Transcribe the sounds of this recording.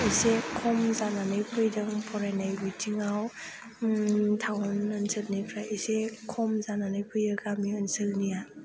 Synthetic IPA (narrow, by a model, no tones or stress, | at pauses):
isekʰɔmzananɯjpʰɯjdɯŋpʰɔɾajnajbitʰiŋaw | tʰawnənsɯlnajpʰɾaisekʰɔmzananɯjpʰɯjɯɡamiənsɯlnija